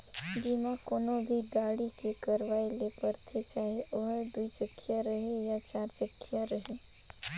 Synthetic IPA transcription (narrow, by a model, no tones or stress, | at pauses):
ɖimãkonobʱiɖaɽikekəɾʋaelepəɾt̪ʰet͡ʃaɦeʔəɦəɾd̪uit͡ʃəkʰːjaɾəɦejãt͡ʃaɾt͡ʃəkʰjaɾəɦe